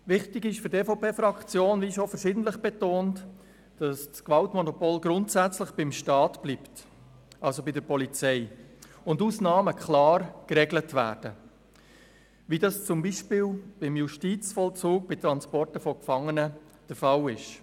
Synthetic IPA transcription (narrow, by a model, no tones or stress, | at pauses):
ʋɪχtɪɡɪʃfʏɾtɛfɔpeːfɾɑkt͡sjoːnʋiʃɔfəɾsɪːdən̩tləχb̥etoːnt | d̥ɑsskʋɑltmɔnɔpoːlɡɾʊntsæt͡sləχb̥ɪmʃtɑːtb̥liːpt | ʔɑlsobɪdəɾpɔlit͡sɛɪ | ʊnduːsnɑːməkʰχlɑːɾkɾɛɡlətʋæ̰ːɾd̥ə | ʋidɑst͡sʊmbiːʃpɪːlb̥ɪmjuʃtiːt͡sfɔlt͡suːk̚b̥ɪt̪ɾɑnspɔrtəfɔkfɑŋːənə | d̥əɾfɑlɪʃ